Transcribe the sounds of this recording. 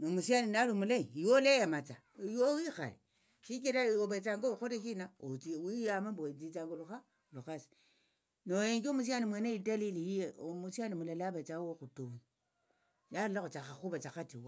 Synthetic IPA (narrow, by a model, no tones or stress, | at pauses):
nomusianinalumuleijolejamat͡sa | jowixa̰le | ʃikiɾaobat͡saŋɡoxoteʃinaoiwijamambot͡sit͡saŋɡoluxa | luxasi̥ | nojeŋɡomus̬ianimweneidalilijieomusianimulalabat͡sawoxutoni | jalulaxut͡ʃaxaxuβat͡ʃaxatiwa